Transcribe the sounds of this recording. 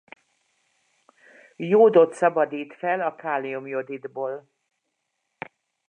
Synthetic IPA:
joːd̪o̞t̪sɒbɒd̪iːt̪fɛlɒkaːliumjo̞d̪id̪boːl

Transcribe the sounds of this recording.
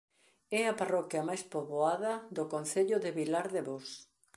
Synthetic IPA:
ɛɐparɔkjɐmajspoβoaðɐðʊkon̟θeʎʊðɪβilaɾðeβos

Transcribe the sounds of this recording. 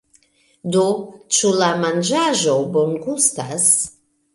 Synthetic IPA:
dot͡ʃulamand͡ʒaʒo̞bonɡustas

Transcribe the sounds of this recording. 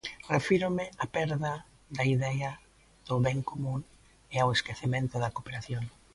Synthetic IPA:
refiɾʊmɪapɛɾðɐ | ðɐiðɛɐ | ð̥ʊβɛŋkomũŋ | ɪaweskeθemẽnt̪ʊðɐkopeɾaθjoŋ

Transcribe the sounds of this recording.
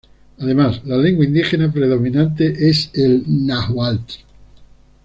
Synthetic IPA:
aðe̞maslale̞ŋɡwaind̪ixe̞napɾe̞ðo̞mĩnãnt̪e̞ʔe̞selnaxwalt̪i̥

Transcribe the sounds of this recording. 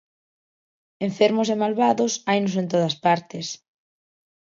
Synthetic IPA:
eɱfeɾmʊsemalβaðʊsajnosẽnt̪oð̞ɐspaɾt̪ɪs

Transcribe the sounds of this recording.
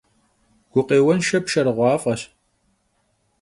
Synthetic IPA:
ɡ̥ʷʊqeːwɐnʃɐpʃɐɾʁʷɑːfʼɐɕ

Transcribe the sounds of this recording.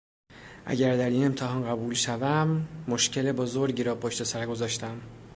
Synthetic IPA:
ʔæ̰ɟæɾd̪æɾiːne̞mt̪ʰeɦɒːnɢæbuːlʃævæmːoʃcʰe̞lebozoɾɟiɾɒːpʰoʃt̪e̞sæɾɡozɒːʃt̪ʰæm

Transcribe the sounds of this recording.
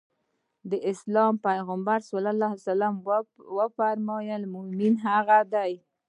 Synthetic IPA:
d̪əʔɪslɑmpajɣambaɾsalalahasalamwəfaɾmɑjəlmʊhminɦaɣad̪aj

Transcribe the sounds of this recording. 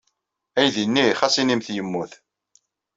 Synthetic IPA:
æjðinːiχæsinimθjəmːuθ

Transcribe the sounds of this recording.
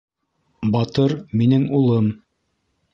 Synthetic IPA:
bɑt̪ɤɾminɘŋulˠɤm

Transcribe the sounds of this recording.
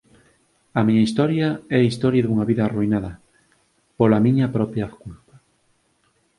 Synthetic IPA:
ɐmiɲaist̪ɔɾjaɛaist̪ɔɾjaðuŋɐβiðaːruinaðɐ | polamiɲɐpɾɔpɾjafkulpḁ

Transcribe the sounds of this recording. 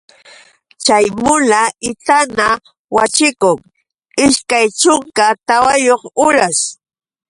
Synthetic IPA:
t͡ʃajmʊnaɪt̪ana | wat͡ʃɪkʊŋ | ɪʃkajt͡ʃʊŋkat̪awajoχʊɾas

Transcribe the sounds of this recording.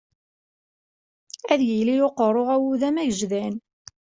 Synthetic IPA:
æðjilijoqərˤːoʁæwuðæmæʝəʒðæn

